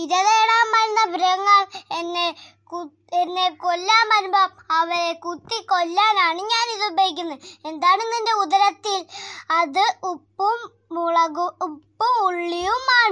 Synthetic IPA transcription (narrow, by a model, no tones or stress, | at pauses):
iɾɐðeːɽaːmɐɾunːɐbɾɐɐŋːɐɭenːe | ku | enːe̞kolːaːmɐɾumbɐm | ɐʋɐɾekut̪ːikolːaːnaːɳɨɲaːniðubejik̬ʲːunːue̞nd̪aːɳenːinde̞uðɐɾɐt̪ːilɐðɨupːum | uɭɐɣuːpːumuɭːijumaːɳɨ